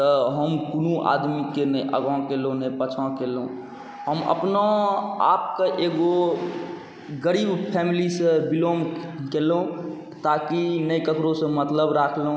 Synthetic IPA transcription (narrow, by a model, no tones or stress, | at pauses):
t̪əɦəmkunũʔa̰d̪mikenəiʔə̰ɡãkelonəpət͡ʃʰãkelũ | ɦəmə̰pnaa̰ːp̚keʔeɡo | ɡəɾiːbpʰɛmilisẽbilomkeleũ | t̪akinəjkəkɾosẽmət̪ləbɾakʰleɦ